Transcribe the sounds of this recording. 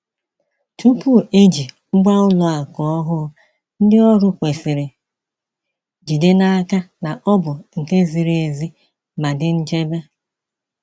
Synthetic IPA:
tʰu˦pu˦˨e˦d͡ʒi˨˦ɡ͡ba˦ʊ˦lʊ˨a˨kɔ˨ɔ˦ɦʊ˦ | n̩˦dɪ˦ɔ˦ɾʊ˦kʷe˨si˨ɾɪ˨ | d͡ʒi˨de˦na˦a˦ka˦na˨ʔɔ˦bʊ˨ŋ̩˨ke˦zi˨ɾe˨e˨zi˦ | ma˨dɪ˦n̩˦d͡ʒe˦be˦

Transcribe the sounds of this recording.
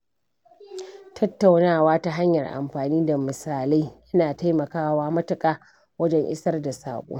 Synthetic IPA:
tʰɐ˦tːa˨wnaː˦˨waː˦ta˦ɦa˦ɲjɐ˨rʔa̰˨mɸaː˨niː˦da˨mɪ˨saː˨la˦jjɐ˦naː˨ta˦jmɐ˨kaː˦waː˦mɐ˦tʊ˨kʼaː˨˦ | wɐ˦d͡ʒɛ˦ŋʔɪ̰˦sɐ˦rda˨sa̰ː˨kʷʼo̰ː˦

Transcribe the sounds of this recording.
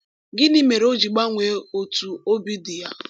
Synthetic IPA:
ɡɪ˦ni˦me˨ɾo˦d͡ʒi˨ɡ͡ba˦ŋʷe˨o˨tu˨o˦bi˦dɪ˨ja̰˦

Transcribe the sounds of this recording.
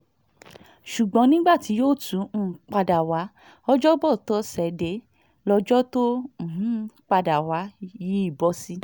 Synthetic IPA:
ʃu˨ɡ͡bɔ̃˨˦nĩ˦ɡ͡ba˦˨ti˨˦joː˦˨tũ˨˦˨k͡pa˧da˨wa˨˦ | ɔ˦d͡ʒɔ˦bɔ˦˨tɔ˦sɛ˨de˧˦ | lɔ˧d͡ʒɔ˦tõ˦˨ɦ̩˨˦k͡pa˧da˨wa˨˦ji˨˦i˦˨bɔ˧˦si˦

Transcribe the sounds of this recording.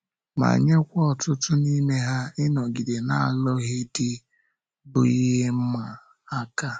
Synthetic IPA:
ma̰˨ɲe˦kʷɔ˦˨tʊ˦tʊ˦ni˦me˦ɦa˦ɪ˦nɔ˨ɡi˨de˨na˨lɔ˦ɦe˦di˦ | bʊ˨i˦ɦe˦m̩˦ma˨ | a˦ka˦

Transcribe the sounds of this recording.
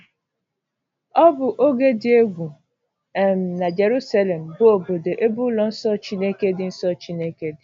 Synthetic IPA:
ɔ˦bʊ˨ʔo˦ɡe˦dɪ˨e˦ɡʷu˨ | e˨m̩˨na˨d͡ʒe˨ɾu˦sa˦le˨m̩˨bʊ˦o˨bo˨de˨ʔe˦bu˦lɔ˦n̩˦sɔ˦˨t͡ʃi˦ne˦ke˦dɪ˦n̩˦sɔ˦t͡ʃi˦ne˦ke˦dɪ˨

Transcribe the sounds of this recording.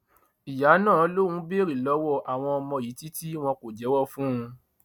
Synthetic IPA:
i˨ja˨˦nãː˦˨˦lo˦wũ˨˦be˦ɾi˦˨lɔ˨˦wɔ˦˨ʔa˨w̃ɔ̃˧ɔ˧mɔ̃˧˨ji˨˦ti˦ti˦w̃ɔ̃˧ko˨d͡ʒɛ˨˦wɔ˦fũ˦ũ˧

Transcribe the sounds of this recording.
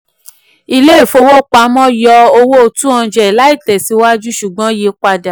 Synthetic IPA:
i˧le˦˨fo˧wo˦k͡pa˨˦mɔ̃˦jɔ˧o˧wo˦o˧tũ˦ɔ̃˧d͡ʒɛ˨la˦i˦˨tɛ˨si˨˧wa˦d͡ʒu˦ʃu˨ɡ͡bɔ̃˨˦je˧k͡pa˧da˨

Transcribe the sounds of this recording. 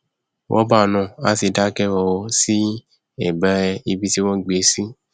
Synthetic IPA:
wʔɔ̰̃˦ba˦˨nã˨a˨˦ti˧da˦kɛ˦wɔ˧wɔ˧si˦ | ɛ˦˨bɛ˨˦˧i˧bi˧ti˦wɔ̃˦ɡ͡be˨˦si˦

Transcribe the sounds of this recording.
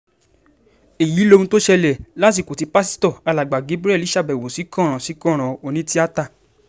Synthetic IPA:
e˨ji˨˦lo˧ũ˧to˦ʃɛ˧lɛ˨la˦t̬i˧˨ko˨ti˧˦pa˦s̬i̥˦tɔ˦˨a˧la˨ɡ͡ba˨ɡe˨˦bɾɛ˦˨li˨˦ʃa˦˨bɛ˨wo˨si˨˦kɔ̃˦˨ɾ̃ɔ̃˨si˨˦kɔ̃˦˨ɾ̃ɔ̃˨o˧nĩ˦ti˦a˦ta˦˨

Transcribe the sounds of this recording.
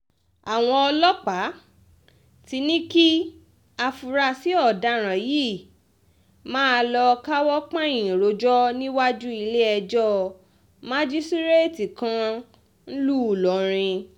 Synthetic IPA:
a˨w̃ɔ̃˧ɔ˧lɔ˦k͡pa˨˦ | ti˧˦nĩ˦ki˦ | a˧fu˧ɾa˧si˨˦ɔ˦˨da˧˦ɾ̃ã˨ji˦˨ | mãː˦˧lɔ˧ka˦wɔ˦k͡pã˦˨ĩ˨ɾo˨˦d͡ʒɔ˦nĩ˦wa˦d͡ʒu˦i˧le˦ɛ˧d͡ʒɔ˦ | mã˦d͡ʒi˦si˦ɾe˦˨ti˨kã˧ | n̩˦lu˦˨lɔ˨˦ɾ̃ĩ˧

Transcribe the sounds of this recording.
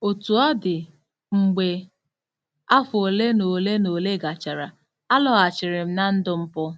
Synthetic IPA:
o˨tu˨ɔ˦dɪ˨ | ŋ͡m̩˨ɡ͡be˨ | a˦fʊ˨o˨le˦no˨le˦no˨le˦ɡa˨t͡ʃa˨ɾa˨ | a˦lɔ˨ɣa˨t͡ʃɪ˨ɾɪ˨m̩˦na˦n̩˦dʊ˦m̩˦pʊ˦

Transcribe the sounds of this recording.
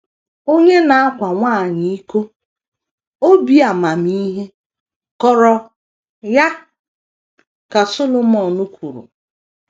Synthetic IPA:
o˦ɲe˦na˨a˦kʷa˨ŋʷa˦˨ɲi˦i˦ko˦ | o˦bi˨˦a˨ma˨mi˦ɦe˦ | kɔ˨ɾɔ˨ | ja˦ | ka˨so˦lo˦mɔ˨nu˦kʷu˨ɾṵ˨

